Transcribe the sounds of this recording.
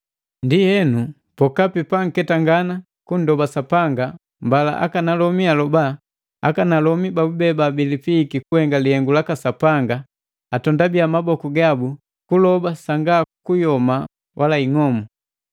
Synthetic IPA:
ndihɛnu | pɔkapipaŋ̩kɛtaŋɡana | kun̩dɔbasapaŋɡa | mbala̰ʔa̰kanalɔmialɔba | akanalɔmibaubɛbabilipiːkikuhɛŋɡalihɛŋɡulakasapaŋɡa | atɔndabiamabɔkuɡabu | kulɔbasaŋɡakujɔma | wʔalaiŋɔmɔ

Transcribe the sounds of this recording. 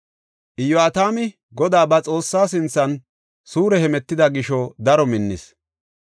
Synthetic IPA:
ʔɪjɔɐt̪aːmɪ | ɡɔd̪aːbɐt͡sʼo̞ːsːaːs̬ɪnt͡sːɐn | suːɾɛhɛmɛt̪ːɪd̪ɐɡɪʃɔd̪ɐɾɔmɪnːɪs

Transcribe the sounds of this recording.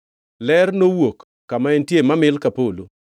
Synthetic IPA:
lɛrnowokː | amaɛntjemamɪlkapolo

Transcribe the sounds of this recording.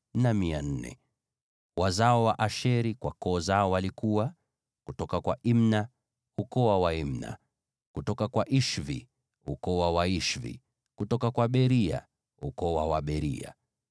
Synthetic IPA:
namian̩nɛ̰ | wazaɔwaʔaʃɛɾikwakɔːzaɔwalikuwa | kutɔkakwaʔimna | ukɔwawaim̩na̰ | kutɔkakwaʔiʃvḭ | ukɔwawaiʃvḭ | kutɔkakwaɓɛɾia̰ | ukɔwawaɓɛɾḭa̰

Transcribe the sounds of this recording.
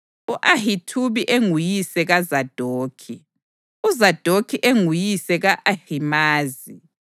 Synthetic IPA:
uʔahitʰuβiʔeŋujisɛɣazad̥ʱoːkʰi | uzad̥ʱokʰiʔeŋujisɛɣaʔahimaːzi

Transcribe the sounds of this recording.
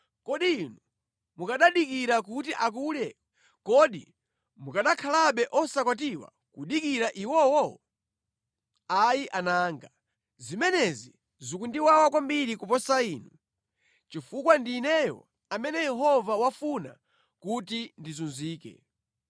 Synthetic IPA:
kɔɗinu | mukaɗaɗikiɾak̬utiʔak̬uljɛ | kɔɗḭ | mukaɗakʰalaɓɛʔɔsakwat̬iwa̰ | kuɗikiɾaʔiwɔwɔ | ajiʔanaːŋɡa | zimɛnɛzi | zukundiwawakwambiɾikupɔsaiːnu | t͡ʃifukwandiːnɛjɔ̰ | amɛnɛjɛɦɔvawafuna̰ | kutindizunziːkɛ̰

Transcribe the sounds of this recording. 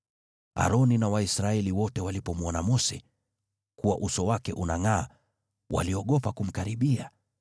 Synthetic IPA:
a̰ɾɔninawaisɾaɛliwɔtɛwalipɔmɔnamɔsɛ̰ | kuwaʔusɔwakɛʔunaŋaː | wʔa̰liɔɠɔpakum̩kaɾiɓia

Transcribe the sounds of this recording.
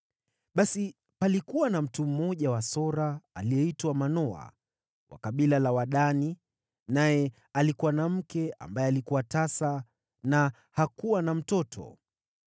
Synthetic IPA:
ɓasi | palikuwanam̩tum̩mɔʄawasɔɾaːlijɛitwamanɔa̰ | wʔa̰kaɓilalawaɗani | najɛ | alikuwanam̩kɛa̰mbajɛalikuwatasa | na | hakuwanam̩tɔtʰɔ̰

